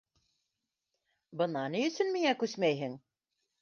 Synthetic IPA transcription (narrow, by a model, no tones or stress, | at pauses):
bɤ̆nɑnijɵ̆sɵnmiŋækʉsmæjɦɘŋ